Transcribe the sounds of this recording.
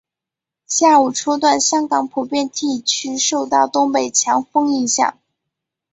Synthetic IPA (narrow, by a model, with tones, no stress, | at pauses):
ɕja˥˩u˨˩ʈ͡ʂʰɔ˥t̪̬wa˥˩nɕjɑ˥ŋkɑ˨˧˥ŋpʰu˨˩pjɛ˥˧nt̪i˥˩t͡ɕʰy˥ʂo˥˧ʊt̪ɑ˥˩ʊt̪ʊ˥ŋpe˨˩ɪt͡ɕʰjɑ˧˥ŋfɤ˥ŋi˥˧ɕjɑ̰˥˩ŋ